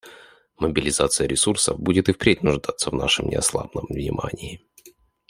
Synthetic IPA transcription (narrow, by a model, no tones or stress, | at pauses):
məbʲɪlʲɪzat̪sɨjəɾʲɪsursə̰vbudʲɪt̪ɨfpɾʲet̚ʲnʊʐd̪at̪sːəvnaʂɨmnʲɪ̰ɐslˠa̰bnəmvnʲɪ̰mʔanʲɪɪ